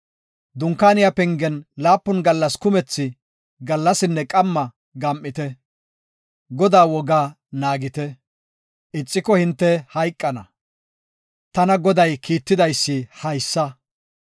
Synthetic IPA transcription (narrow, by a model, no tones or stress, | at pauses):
d̪ʊŋkaːnɪjapɛŋɡɛnlaːpːʊnɡɐlːɐskʊmɛt͡sːɪ | ɡɐlːɐsɪnːɛkʼɐmːɐ | ɡɐmʔːɪt̪ɛ | ɡɔd̪aːwɔɡaː | naːɡɪt̪ɛ | ʔɪt͡sʼːɪkɔhɪnt̪ːɛhɐjkʼːɐnɐ | t̪ɐnɐɡɔd̪ɐjkiːt̪ːɪd̪ɐjsːɪhɐjsːɐ